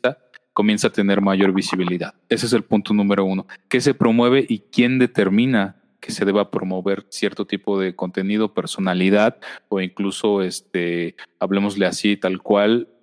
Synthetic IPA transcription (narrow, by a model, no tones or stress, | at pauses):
a | ko̞mje̞nsaːt̪e̞ne̞ɾmaʝo̞ɾβisiβ̞iliðaðe̞sees̬e̞lpunt̪onũme̞ɾo̞uno̞ke̞s̬e̞pɾo̞mwe̞β̞e̞ʔikje̞nd̪e̞t̪e̞ɾmĩna | ke̞se̞ðe̞βapɾo̞mo̞βe̞ɾsje̞ɾt̪o̞t̪ipo̞ð̞e̞ko̞nt̪e̞nið̞ope̞ɾso̞naliðaðoiŋkluso̞est̪̚eaβle̞mo̞zle̞asit̪alkwal